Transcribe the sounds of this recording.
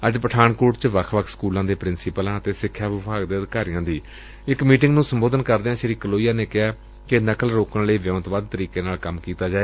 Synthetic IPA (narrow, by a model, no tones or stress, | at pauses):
əd͡ʒpəʈʰaːɳkoːʈt͡ʃʋəkʰʋəkʰskuːlãːd̪eːpɾɪnsɪpəlãːət̪eːsɪkʰːjaːʋɪbʱaːɡd̪eːəd̪ɪkaːɾɪjãːd̪iː | ɪkmiːʈɪ̃ŋɡnũːsəmboːd̪ənkəɾd̪eãːʃəɾiːkəloːijaːneːkɪɦaː | kɪnəkəlɾoːkəɳləiːʋjəːt̪baːd̪̚t̪əɾiːkeːnaːlkəmkiːt̪aːd͡ʒaːeː